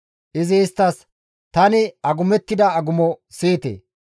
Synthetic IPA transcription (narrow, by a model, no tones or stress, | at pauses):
ʔɪzɪːst̪ːɐs | t̪ɐnɪɐɡʊmɛt̪ːɪd̪ɐɐɡʊmɔsiːt̪ḛː